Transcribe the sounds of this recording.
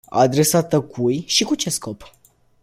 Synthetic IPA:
a̰d̪ɾe̞sat̪əkʰujʃikut͡ʃe̞sko̞p

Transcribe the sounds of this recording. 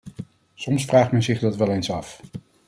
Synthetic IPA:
sɔmsfraːχmɛnzɪχdɑtʋɛlˠejnsɑf

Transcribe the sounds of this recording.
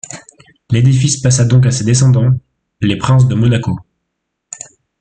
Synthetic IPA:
led̪ifispas̬ad̪ɔ̃k̬ased̪es̬ɑ̃d̪ɑ̃ | lepχɛ̃s̬d̪əmɔnako

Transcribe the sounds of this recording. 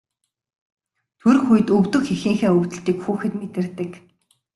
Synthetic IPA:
t̪ʰɵɾ̆xujɘ̆t̪ɵwt̪ɵ̆xexĭːŋxeːɵwt̪ɘ̆ɬt̪iːkxuːxɘ̆t̪met̪ɘ̆rt̪ɘ̆k

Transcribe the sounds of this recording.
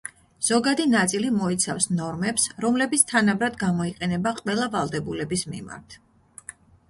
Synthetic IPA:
z̥ɔɡad̪inat̪sʼilimɔit̪sʰa̰fsnɔɾmɛpsɾɔmlɛbit̪sʰt̪ʰanabɾad̪ɡamɔiqʼɛnɛbaqʼwɛlˠavalˠd̪ɛbulɛbismḭma̰ɾt̪ʰ

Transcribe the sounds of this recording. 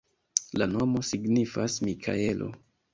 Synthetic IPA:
lano̞mo̞siɡnifasmikʰa̰e̞lʔo̞̰

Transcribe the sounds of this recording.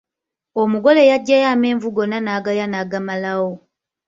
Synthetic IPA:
omuɡo̞le̞jaɟːajaːme̞ːɱvuɡo̞nanaːɡajanaːɡamalawo

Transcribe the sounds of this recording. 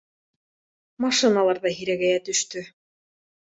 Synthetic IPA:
mɑʃɨnalˠɑɾðɑɦiɾæɡæjæt̪ɵ̆ʃt̪ɵ

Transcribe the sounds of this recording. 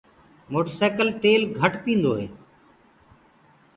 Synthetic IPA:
moːʈəɾseːkəlt̪eːlɡʱəʈpĩːnd̪oːɦḛː

